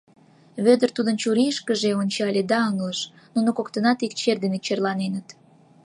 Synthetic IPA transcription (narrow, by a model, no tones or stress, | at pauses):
βød̪ərt̪ud̪ənt͡ɕuɾiʃkəʒeonʲt͡ɕɑlʲed̪ɑəŋləʃ | nunokokt̪ənɑt̪ik̚t͡ɕerd̪enekt͡ɕerlɑnenət̪